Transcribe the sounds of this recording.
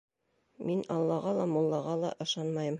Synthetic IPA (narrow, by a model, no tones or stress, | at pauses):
minɑlˠːɑʁɑlˠɑmulˠːɑʁɑlˠɑ̰ʔɤ̆ʃɑnmɑjɤm